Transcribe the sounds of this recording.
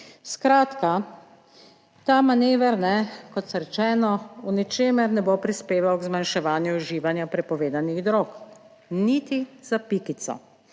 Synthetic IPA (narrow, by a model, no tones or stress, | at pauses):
skɾaːt̪ka | t̪aːmaneːʋɛɾnɛkɔt̪sɔɾɛt͡ʃɛːnɔunit͡ʃeːmɛɾnɛbopɾispeːʋawɡzmanʃɛʋaːnjuuʒiːʋanjapɾɛpɔʋeːd̪aniɣd̪ɾoːk | nit̪iz̥apikit̪sɔ̰